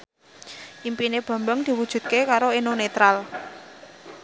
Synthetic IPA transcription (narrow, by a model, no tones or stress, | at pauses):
ʔimpineb̥ä̤mbəŋd̪̥i̤wud̥ʒ̥ṳt̪̚kekaɾoenonet̪ɾal